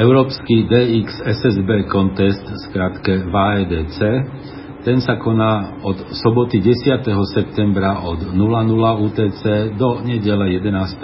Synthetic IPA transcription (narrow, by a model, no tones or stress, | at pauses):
ɛʊɾɔːpskid̪ɛːiksɛsɛzbɛːkɔnt̪ɛst̪skɾat̪kɛʋaːɛːd̪ɛːt͡sɛː | t̪ɛnsakɔnaːɔt̪sɔbɔt̪iɟɛsɪat̪ɛɦɔsɛp̚t̪ɛmbɾaʔɔd̪nulanulauːt̪ɛːt͡sɛːd̪ɔɲɛɟɛlɛjɛd̪ɛnaːst̪ɛ